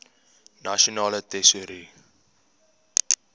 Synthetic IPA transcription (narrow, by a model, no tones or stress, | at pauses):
naʃonɑːlətɛsuɾi